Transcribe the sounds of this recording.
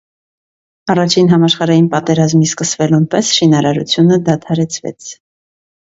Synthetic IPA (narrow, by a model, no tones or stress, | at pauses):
ɑrɑt͡ʃʰinɦɑmɑʃχɑɾɑjinpɑt̪ɛɾɑzmiskəsvɛlunpɛsʃinɑɾɑɾut͡sʰjunəd̪ɑt̪ʰɑɾɛt͡sʰvɛ̰t͡sʰ